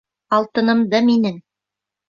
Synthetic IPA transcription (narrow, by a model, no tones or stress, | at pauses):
ɑlˠt̪ɤ̆nɤ̆md̪ɤminɘŋ